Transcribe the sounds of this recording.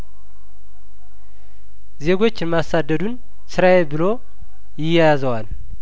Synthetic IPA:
ze̞ɡo̞t͡ʃːɪnmasad̪ːəd̪un | sɨɾaebɨlo̞ | jɪjːajazəwal

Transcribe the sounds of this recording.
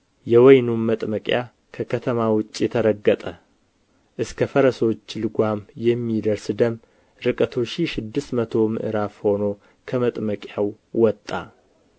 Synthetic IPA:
jɛwɔjnumːət̪ʼməkʼja | kʰəkʰət̪ʰəmawʊt͡ʃʼːjɛt̪ʰəɾəɡːət̪ʼə | ʔɨskʰəfəɾəso̞t͡ʃːlɨɡʷamjɛmːid̪əɾsd̪əm | ɾɨkʼət̪ʰoʃiʃɪd̪ːɨst̪mət̪ʰo̞mɨ̰ʔɨɾafho̞no̞ | kʰəmət̪ʼməkʼjaw | wɔt̪ʼːa̰

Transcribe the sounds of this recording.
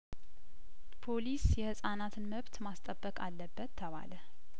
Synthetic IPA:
pʰo̞lisjɛhɨsʼanat̪ʰɨnməβt̪mast̪ʼəbːəkʼalːəbːət̪ʰːəβa̰lə

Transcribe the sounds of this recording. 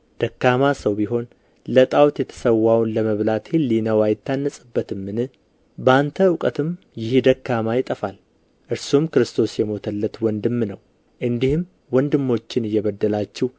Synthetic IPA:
d̪̥əkːamasəwbiɦo̞n | lət̪ʼawt̪jɛt̪ʰə̥səwːawnləməβlat̪ʰhelinəwajɪt̪ʰːanːəsʼɨbːət̪ɨmːɨnɨ | bəant̪ʰəwkʼət̪ʰɨm | jɪhd̪əkːamajɪt̪ʼəfal | ʔɨɾsumkɨɾɨst̪ʰo̞sjɛmo̞t̪ʰəlːət̪wɔnd̪ɨmːnəw | ʔɨnd̪ihɨm | wɔnd̪ɨmːo̞t͡ʃːɪnɨjːɛβəd̪ːəlat͡ʃːɪh

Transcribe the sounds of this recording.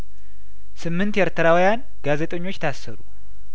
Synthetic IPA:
sɨmːɨnt̪jɛɾt̪ʰəɾawjan | ɡ̥azet̪ʼəɲːo̞t͡ʃːt̪ʰasːəɾu

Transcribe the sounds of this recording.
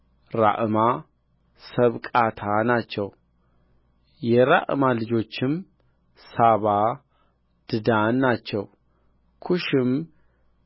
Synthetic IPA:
ɾa̰ʔma | səβkʼat̪ʰanat͡ʃːɛw | jɛɾa̰ʔmalɨd͡ʒo̞t͡ʃːɪm | saβa | d̪̥ɨd̪anːat͡ʃːɛw | kʰuʃɪm

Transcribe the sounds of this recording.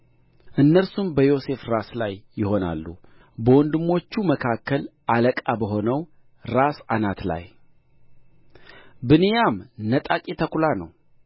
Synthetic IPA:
ʔɨnːəɾsumbəjo̞se̞fɾaslajːɪho̞na̰lːu | bəwɔnd̪ɨmːo̞t͡ʃːuməkʰakːəlʔaləkʼabəɦo̞nəw | ɾasanat̪la̰j | bɨnijamnət̪ʼakʼit̪ʰəkʰulanəw

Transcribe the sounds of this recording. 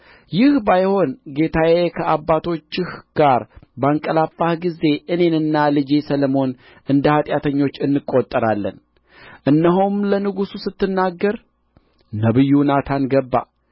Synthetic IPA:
jɪhbajho̞nɡe̞t̪ʰajekʰəʔabːat̪ʰo̞t͡ʃːɪhɡ̥aɾbəaŋkʼəlafːahɡize̞ʔɨne̞nɨnːalɨd͡ʒesələmo̞n | ʔɨnd̪əhat̪ʼjat̪ʰəɲːo̞t͡ʃːɨnːɨkʼot̪ʼːəɾalːə̰n | ʔɨnːəɦumlənɨɡususɨt̪ːɨnːaɡːəɾ | nəβɨjːunat̪ʰanɡəbːa̰

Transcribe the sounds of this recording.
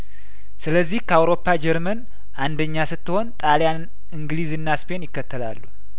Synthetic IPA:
sɨləzːihkʰəawɾo̞pʰːad͡ʒɛɾmən | ʔand̪əɲːasɨt̪ːɨho̞nt̪ʼaljan | ɨŋɡlizɨnːaspʰe̞njɪkːət̪ːəla̰lːu

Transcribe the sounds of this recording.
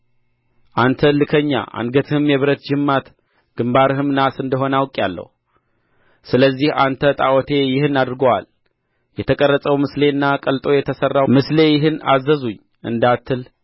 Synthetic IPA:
ʔant̪ʰəlɨkʰəɲːa̰ʔa̰nɡət̪ʰɨhɨmjɛβɨɾət̪d͡ʒɨmːat̪ | ɡ̥ɨmbaɾɨɦɨmnasɨnd̪əɦo̞nawkʼjalːə̰hu | sɨləzːihant̪ʰət̪ʼa̰wɔt̪ʰe̞jɪhɨnad̪ɾɨɡəwa̰l | jɛt̪ʰəkʼərːəsʼəwmɨsle̞ɨnːakʼəlt̪ʼo̞jɛt̪ʰəsərːamɨsle̞jɪɦɨna̰zːəzuɲː | ʔɨ̰nd̪at̪ʰːɨl

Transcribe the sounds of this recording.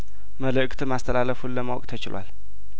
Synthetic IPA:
mələkʼt̪ʰɨmast̪ʰəlaləfulːəmawkʼt̪ʰət͡ʃɪ̰lwa̰l

